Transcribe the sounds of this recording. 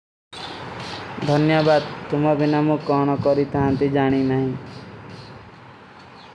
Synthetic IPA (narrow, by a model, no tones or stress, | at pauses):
d̪ʱɔnjɔbad̪̚t̪umɔbinamũkɔɽ̃ɔkɔɾit̪ʰaɦant̪id͡ʒaɽ̃inaɦĩ